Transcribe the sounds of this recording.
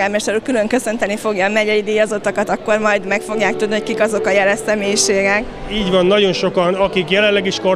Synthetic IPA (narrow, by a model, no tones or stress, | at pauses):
aːmɛʃt̪ɛɾukylø̞ŋkø̞sø̞nt̪ɛnifo̞ɡjɒmɛɟɛjid̪eːjɒzot̪ɒkɒt̪ɒkːo̞rmɒjd̪mɛkfo̞ɡjaːk̚t̪ud̪niho̞ckikɒzo̞kɒjɛlɛsɛmeːjiʃeːɡɛk | iːɟvɒnːɒɟo̞nʃo̞kɒnɒkikjɛlɛnlːɛɡiʃkor